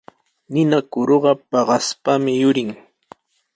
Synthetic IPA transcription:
nɪnakʊɾoɢɑpɑɢɑspamɪjʊɾɪŋ

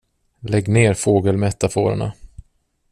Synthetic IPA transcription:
lɛɡːneːɾfoːɡəlmɛt̪ːafo̰ːɾə̰ɳa̰

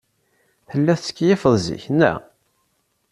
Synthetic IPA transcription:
θəlːæθt͡sə̥kːjɪfəðˤzḭçnːæ̰

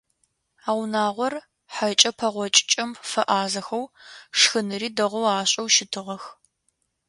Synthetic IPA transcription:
aːwnaːʁʷɔr | ħat͡ʃʼɐpʰɐʁʷɔt͡ʃʼɪt͡ʃʼɐmfɐʔaːzɐxɐwʂxɨnɨriːdɐʁʷɔwaːɕʼɐwʃɪtʰɨʁɐx

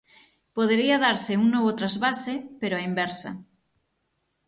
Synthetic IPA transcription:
poð̞eɾiaðaɾseuŋnoβot̪ɾazβasepeɾoaimbeɾsa̰

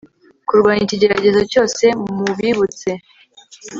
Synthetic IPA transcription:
kuɾɡwaːɲiciɟe̞ɾaɟe̞zo̞co̞ːse̞muβiβut͡se̞

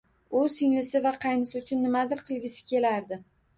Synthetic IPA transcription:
ʊssɪŋlɪsɪvaqʰɑjnɪsɪʊt͡ʃʰʊnːɪmad̪ɪɾqʰɨlˠɡʲɪsɪ̥kʲʰe̞laɾd̪ɪ

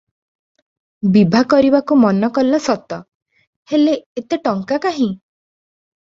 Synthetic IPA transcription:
bibʱakɔɾibakumɔnɔkɔlːɔsɔt̪ɔ | heleet̪eʈɔŋkakaɦĩ

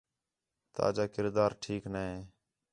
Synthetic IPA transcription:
t̪a̰ːd͡ʒaːkɪɾd̪aːɾʈʰiːknaɦeː

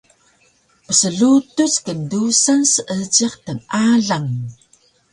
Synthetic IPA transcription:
pəsəɮutuskəndusansəʔət͡siqtəŋʔaɮaŋ

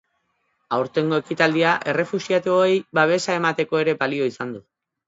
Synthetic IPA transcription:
awɾt̪e̞ŋɡo̞e̞kit̪ald̪iaʔe̞re̞fusiat̪eoejβaβ̞e̞sae̞mat̪e̞ko̞e̞ɾe̞balio̞isand̪u

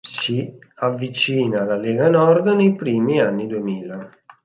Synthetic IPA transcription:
siavːit͡ʃiːnalaleːɡanɔrd̪nejpɾiːmianːid̪uemiːla

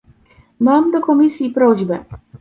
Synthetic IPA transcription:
maːmd̪okomisiipɾoʑbɛ

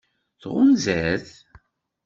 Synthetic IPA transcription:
θʁʊnzæθ

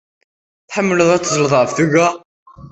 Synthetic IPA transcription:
θħəmːələðˤæt͡s̪ːzˤləðˤʁəfθuɣæ

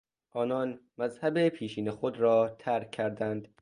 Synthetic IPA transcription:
ʔɒːnɒːnmæzhæbepʰiːʃiːnexod̪ɾɒːt̪ʰæɾkʰːæɾd̪ænd̪̥

